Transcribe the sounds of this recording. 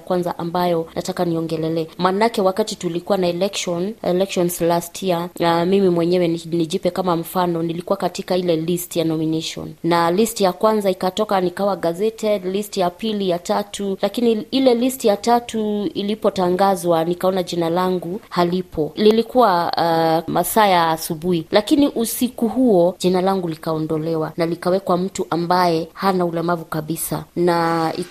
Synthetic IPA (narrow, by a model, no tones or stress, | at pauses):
kwanzaʔambajɔnʔatakaniɔŋɡɛlɛlɛːmanakɛwakatitulikuwanaɛlɛkʃɔnɛ̰lɛkʃɔnslastʰiaamimimwɛɲɛwɛnniʄipɛkamam̩fanɔnilikuwakatikailɛlistjanɔminɛʃɔ̰nnalistijakwanzaikatɔkanikawaɡazɛtʰɛdlistijapilijatatʰulakiniilɛlistijatatʰuilipɔtaŋɡazwanikaɔnaʄinalaŋɡuhalipʰɔlilikuwa | masaːjaːsuɓuhilakiniʔusikuhuɔʄɛnalaŋɡulikaɔndɔlɛwanalikawɛkwam̩tuʔambajɛhanaulɛmavukaɓisa̰naḭ